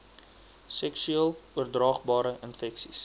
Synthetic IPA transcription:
sɛksyelˠuərdrɑːχbɑːɾəʔənfɛksḭs

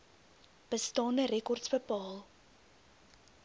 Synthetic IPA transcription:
b̥əstɑːndəɾɛkɔrtsbəpɑːlˠ

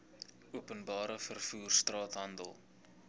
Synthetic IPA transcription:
uəpənbɑːɾəfərfuːrstrɑːtɦɐndə̰lˠ

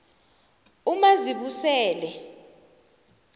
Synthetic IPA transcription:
umaziɓusɛːlɛ

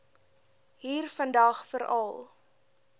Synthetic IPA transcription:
ɦiːrfəndɐχfəɾɐlˠ

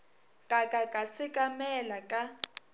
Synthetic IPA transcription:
kʼakʼakʼasɪkʼamɛlakʼa

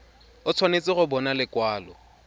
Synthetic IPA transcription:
ʊt͡sʰwanet͡sɪɣʊbɔnalɪkwaːlɔ̰

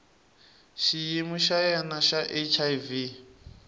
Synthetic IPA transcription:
ʃijimuʃajɛnaʃaʔet͡ʃʰajvi

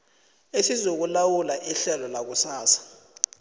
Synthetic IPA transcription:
esizok̬ulawulaʔiɬɛlɔlak̬usaːsḁ

